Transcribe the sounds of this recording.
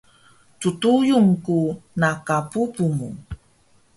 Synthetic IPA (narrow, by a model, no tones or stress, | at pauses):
t͡sutujuŋkunakapupumu